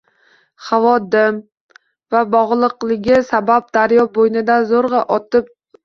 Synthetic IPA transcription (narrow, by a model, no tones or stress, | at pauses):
havɒd̪ɪm | vabɒʁlˠɨqlˠɪɡʲɪsabap̚d̪̥aɾjɒbojnɪd̪azoɾʁɑʔɒt̪ɪp̚